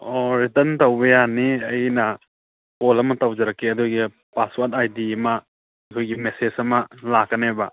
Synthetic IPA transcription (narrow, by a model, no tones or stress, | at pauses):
oɾitɐntawbɐjaniɐjnɐ | polɐmɐtawd͡ʒɐɾɐkːeɐduɡi | paswatajdiɐmɐ | ɐkʰojɡimesesɐmɐlakɐnebɐ